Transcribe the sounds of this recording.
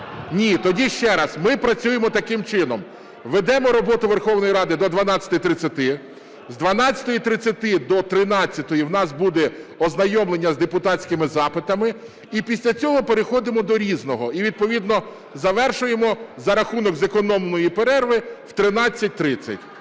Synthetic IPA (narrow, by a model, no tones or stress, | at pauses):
nʲit̪ɔdʲiʃt͡ʃɛɾɐsmɪpɾɐt͡sʲujemɔt̪ɐkɪmt͡ʃɪnɔm | ʋed̪ɛmɔɾɔbɔt̪ʊʋe̞rxɔwnɔjɾɑd̪ɪd̪ɔd̪ʋɐnɑt͡sʲɐt̪ʊjt̪ɾɪt͡sʲːɐt̪ɪ | zd̪ʋɐnɑt͡sʲːɐ̥t̪ɔjit̪ɾɪt͡sʲːɐt̪ɪd̪ɔt̪ɾɪnɑt͡sʲːɐt̪ɔjiwn̪ɑsbud̪ɛɔznɐjɔmlˠenʲːɐzd̪epʊt̪ɑt͡sʲkɪmɪzɑpɪt̪ɐmɪ | ipʲisʲlʲɐt͡sʲɔɦɔpeɾexɔd̪ɪmɔd̪ɔɾʲiznɔɦɔiʋʲid̪̚pɔʋʲid̪nɔ | zɐʋɛrʃʊjemɔzɐɾɐxunɔɡzekɔnɔmnɔjipeɾɛrʋɪwt̪ɾɪnɑt͡sʲːɐt̚ʲt̪ɾɪt͡sʲːɐ̰tʲ